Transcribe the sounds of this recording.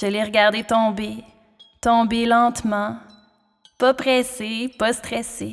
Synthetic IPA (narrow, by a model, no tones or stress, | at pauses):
ʒəleʁəɡaʁd̪et̪ɔ̃be | t̪ɔ̃belɑ̃t̪mɑ̃ | pʌpχɛsepʌst̪χɛse